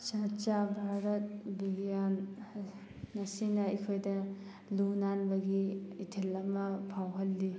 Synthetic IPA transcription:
t͡ʃat͡ʃabʱaɾɐt̚biɡijan | ɐsinɐikʰojdɐ | lunanbɐɡiːtʰilːɐmɐpʰawɦɐlːi

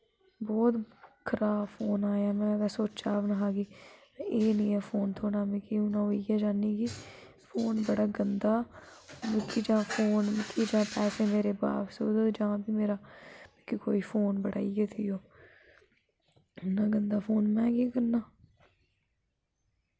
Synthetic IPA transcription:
bɔːt̪kʰːəɾaːpʰoːnaːjaːmɛ̃ːbɛːsoːt͡ʃaːʋnaːɦaːɡiː | eːnĩːɛːfʰoːnt̪ʰoːnaːmẽkiʊnãːoːiːɡɛːd͡ʒaːniːɡiː | fʰoːnbəɽaːɡənd̪aːmɪkʰid͡ʒãːpʰoːnmɪkʰid͡ʒãːpɛːseːmeːɾeːba̰ːpsoːd̪d͡ʒãːbiːmeːɾaːmɪkikoːiːpʰoːnbəɽa̰ːiːɡeːt̪ʰiːjoː | ʊnãːɡənd̪aːpʰoːnmɛ̃ːkeːkəɾnaː

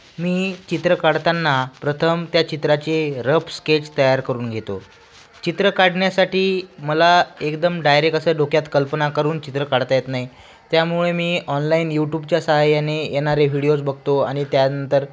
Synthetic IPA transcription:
miːt͡ɕit̪ɾəkaɽt̪anːapɾət̪ʰəmt̪jat͡ɕit̪ɾat͡seɾəpsket͡ɕt̪əjaɾkəɾuːnɡʱet̪o̰ | t͡ɕit̪ɾəkaɽɳjasaʈiːməlaekd̪əmɖajɾekəsəːɖokjat̪kəlpənakəɾuːnt͡ɕit̪ɾəkaɽt̪ajet̪naɦi | t̪jamuɭemiːʔɔnlaiːnjuʈjub̚t͡ɕjasəɦajːanejeɽ̃aɾeʋiɽijot͡sbəɡʱt̪oaɽ̃it̪janənt̪əɾ

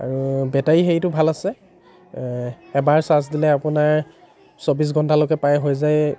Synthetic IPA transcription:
a̰ɹubɛtaixejtʊbʱalasɛ | ɛbaɹsas̬dilɛapʊnaɹ | sobis̬ɡʱɔntʰalokɛpajɦojzaj

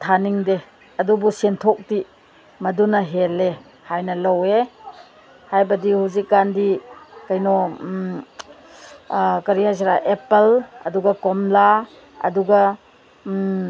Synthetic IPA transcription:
tʰaniŋde | ɐdubusentʰɔk̚ti | mɐdunɐɦele | hajnɐlɐwe | hajbɐdihuwzikːandikajnɔ | kɐɾihajs̬aɾaʔepelɐ̰duɡɐkɔmla | ɐ̰duɡa

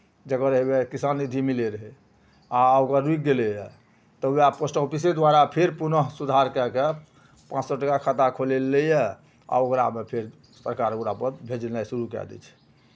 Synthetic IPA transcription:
d͡ʒəkəɾəɦebekisanːid̪ʱimileɾəɦɛ | aokəɾːuik̚ɡelɛjɛ | t̪ɔuaposʈəupised̪ʋaɾapʰeɾpunəɦsud̪ʱaɾkɛke | pãt͡ʃsɔʈəkakʰat̪akʰolelɛjɛ | a̰okɾa̰mepʰeɾ | səɾkaɾoɾapəɾbʱed͡ʒlnajsuɾukɛ̰d̪ɛ̰t͡ʃʰɛ̥

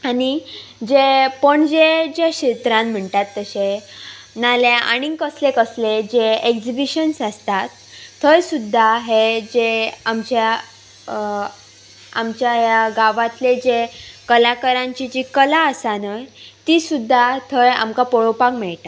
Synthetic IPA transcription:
anid͡ʑepəɳd͡ʑed͡ʑaɕit̪ɾãnm̤əɳt̪at̪ːəɕe | naljaʔa̰ɽ̃ikəslekəsled͡ʑeekd͡ʑibiɕənsast̪at̪ʰː | əjsud̪ʱːaɦed͡ʑeamt͡ɕa | amt͡ɕjajaɡaʋãt̪led͡ʑekəlakəɾãɲt͡ɕid͡ʑikəlaəsanəjt̪isud̪ʱːat̪ʰəja̰mkapɔɭopakmɛɭt̪a

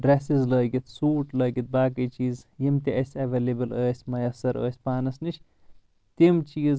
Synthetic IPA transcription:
ɖɾɛsizləːɡit̪suːʈləːɡit̪̚baːkit͡ʃiːzjimt̪iʔɐsʲɐʋeːlebɐləːsʲmɐjɐsɐɾə̰ːsʲpaːnɐsnit͡ʃʰ | t̪imt͡ʃiːz

